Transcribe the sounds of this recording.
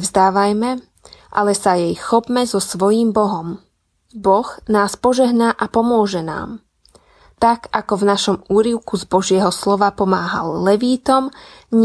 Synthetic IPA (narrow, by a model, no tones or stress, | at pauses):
zd̪aːʋajmɛ | ʔa̰lɛsajɛjxɔpmɛzɔsʋɔjiːmbɔɦɔm | bɔɣnaːspɔʒɛɦnaʔapɔmʊɔʒɛna̰ːm | t̪akakɔvnaʃɔmuːɾiʊkuzbɔʒɪɛɦɔslɔʋapɔmaːɦa̰lːɛʋiːt̪ɔmɲ